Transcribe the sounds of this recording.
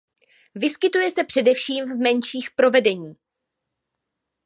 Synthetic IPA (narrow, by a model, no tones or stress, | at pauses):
vɪskɪt̪ujɛsɛpr̥ɛdɛfʃiːmvmɛnʃiːxpɾo̞vɛdɛɲiː